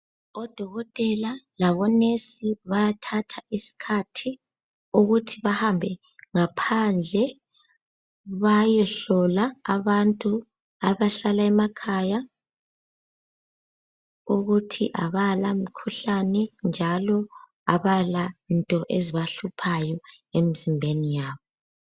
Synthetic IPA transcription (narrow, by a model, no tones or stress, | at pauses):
ɔd̥ʱɔɣɔtʼɛlalaβɔnesiβajatʰatʰaisi̥kʰatʰi | uɣutʰiβahambʱɛ | ŋapʰand͡ɮʱɛ | βajɛɬɔlaːβantʼu | aβaɬalaɛmakʰaja | uɣutʰiʔaβalamikʰuɬanɛnd͡ʒʱalɔ | a̰βalantʼɔʔeziβaɬupʰajɔ | emizimbʱenijaːβɔ